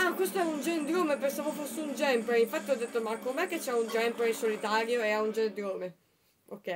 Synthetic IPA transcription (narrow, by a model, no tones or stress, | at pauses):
akwest̪oɛund͡ʒend̪ɾoːmepensaːvofosːeund͡ʒɛmpɾeiɱfat̪ːiɔd̪ːet̪ːomakːomɛkːet͡ʃːɛund͡ʒɛmpɾesolit̪aːɾjoeaund͡ʒend̪joːme | okːɛ